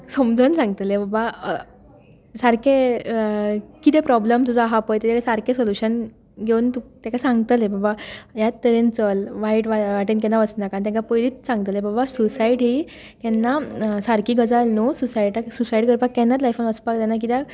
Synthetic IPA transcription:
somd͡zʱənsãŋɡt̪lebaba | saɾke | kit̪epɾɔbləmt̪ud͡zʱaɦapəjt̪et̪ekasaɾkẽsoljuɕən | ɡʱeunt̪ut̪ãkasãŋɡt̪əlebabajat̪t̪əɾent͡səlʋaiʈʋaʋaʈink̬ɛnːaʋəsnakant̪̬ãkapəjliːt͡ssãŋɡt̪əlebabasusaiɽɦi | kɛnːasaɾkiːɡəd͡zalnususaiʈaksusaiɽkəɾpakːɛ̃nːat̪lajfənʋəspak̚d̪anak̬it̪a

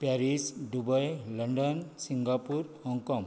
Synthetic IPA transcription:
pjaɾisɖubʌjlɔɳɖɔnsiŋɡapuɾhɔŋkɔm

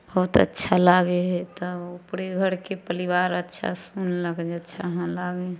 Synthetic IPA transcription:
bəɦut̪ə̰tːʃʰalaɡeɦet̪ɔupɽeɡʱəɾkepəɾiʋaɾətːʃʰa̰sunləkd͡ʒətːʃʰaɦãlaɡe

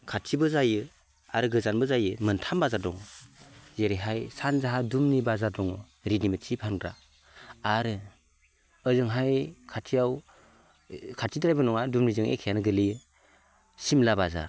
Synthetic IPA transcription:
kʰatʰibɯzajɯ | aɾɯɡɯzanbɯzajɯmɯntʰambazaɾdɔŋ | zeɾiɦajsanzaɦadumnibazaɾdɔŋ | ɾinimɯtʰipʰanɡɾa̰ː | ɾɯ | əzɯŋɦajkʰatʰijaw | kʰatʰidaɾajbɯnɔŋadumnizɯŋʔḛkʰijanɯɡɯliɯ | simlabaza̰ɾ

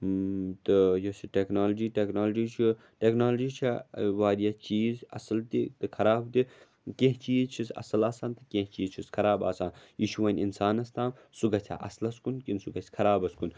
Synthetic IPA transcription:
t̪ɨjosiʈeːknaːlɐd͡ʒiːʈeːknaːld͡ʒiːt͡ʃʰi | ʈeːknaːld͡ʒiːt͡ʃʰaʋaːɾijat͡ʃiːzɐ̰sɐlt̪it̪ɨkʰɐɾaːbt̪i | kẽɦt͡ʃiːzt͡ʃʰisɐ̰sɐlaːsaːnt̪ɨkẽɦt͡ʃiːzt͡ʃʰiskʰɐɾaːba̰ːsaːnjiʃuʋɐnʲinsaːnɐst̪aːm | suɡɐt͡sʲʰa̰ʔɐ̰slɐskunkinsuɡɐsʰʲkʰɐɾaːbɐskun

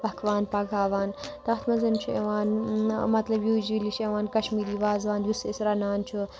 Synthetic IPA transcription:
bɐkʰʋaːnpɐɡʱaːʋaːnt̪ɐxt̪ʰmɐzɐnt͡ʃʰuḛʋaːnmɐt̪lɐbjuːd͡ʒiliʃʰeʋaːnkɐʃmiːɾiːʋaːzʋaːnʋisisɾɐnaːnt͡ʃʰu

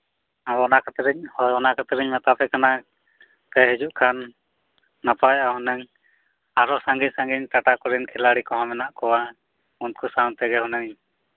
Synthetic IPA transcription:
aɔnakat̪ɾɛɲhɔjɔnakat̪ɾɛɲmɛt̪apɛkana | t̪ɛɦɛd͡ʒuʔkʰanː | apajaɦɔnɛɲ | aɾɔsãŋɡisãŋɡiɲʈ̪aʈakɔɾinkʰɛlaɽikɔ̃ɦɔ̃mɛnaʔkɔwa | unt̪̚kʰusawt̪ɛɡɛɦɔnɛŋ

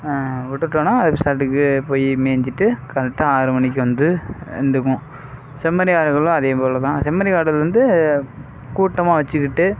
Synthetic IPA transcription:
ʋʊʈːɯʈːõːnaːɐðɐpːɪsaːɾʈːɯkːɯpoːjimeːɲd͡ʒɪʈːɯkɐnɐʈːɯaːɾɯmɐnɪk̬ʲːɯʋɐnd̪ɯɛ̰nd̪ɯk̬ːʊ̃ | sɛmːɐɾɪɣaːɽɯɣɐɭʊ̃ɐðeːpoːlɐt̪ãːsɛmːɐɾɪɣaːɽɐlʋɐnd̪ɯ | kuːʈːɐmaːʋɐt͡ʃːɯkːɪʈːɯ

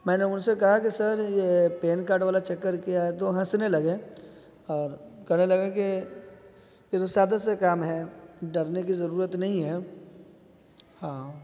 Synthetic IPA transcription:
mɛ̃ːneʊnsekɐɦakisɐɾjepeːnkaːɾɖʋaːlat͡ʃɐkːəɾkiaɛt̪oɦɐ̃snelɐɡe | ɔːɾkɛɦnelɐɡeke | jet̪osjaːd̪ast̪kaːmɦɛɖɐɾnekizɐɾuːɾət̪nɐɦĩɦɛː | hãː

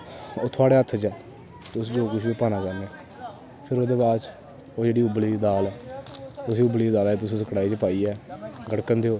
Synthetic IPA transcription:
oːt̪ʰʊaːɽeːət̪ʰd͡ʒɛː | t̪ʊsd͡ʒoːkɪs̬iːpaːnaːkaːɾneː | pʰɪɾoːd̪eːbaːdt͡ʃ | oːd͡ʒeːɽiːʊbliːd̪aːlɛː | ʊs̬iːʊbliːd̪aːlɛːt̪̬ʊsĩːsəkɽaːiːt͡ʃəpaːiːɛːɡəɽkənd̪eːoː

